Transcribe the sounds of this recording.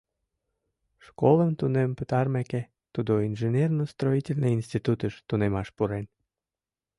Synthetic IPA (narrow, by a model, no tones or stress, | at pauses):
ʃkoləmt̪unempət̪ɑrmæke | t̪ud̪oinʒenʲernost̪roitʲelʲneinst̪ʲit̪ut̪əʃt̪unemɑʃpuɾen